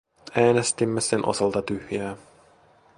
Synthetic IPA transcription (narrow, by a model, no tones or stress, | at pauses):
æːne̞st̪imːesenʔo̞̰sɑlt̪ɑt̪yhjæː